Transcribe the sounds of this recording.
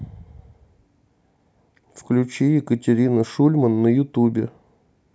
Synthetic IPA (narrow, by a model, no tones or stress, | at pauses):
fklʲʉt͡ɕijɪkətʲɪɾʲinəʂulʲmənːəjʊt̪ubʲɪ